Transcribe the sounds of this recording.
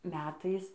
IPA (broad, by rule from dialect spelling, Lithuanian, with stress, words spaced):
ˈmʲæːtɐɪs